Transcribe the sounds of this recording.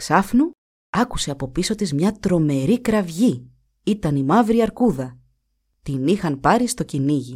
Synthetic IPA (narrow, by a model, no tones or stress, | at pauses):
ksɐfnu | ɐku̥se̞ɐpo̞piso̞t̪izmɲɐt̪ɾo̞me̞ɾikɾɐvʝi | it̪ɐnimɐvɾiɐɾkuðɐ | t̪inixɐnpɐɾist̪o̞ciniʝi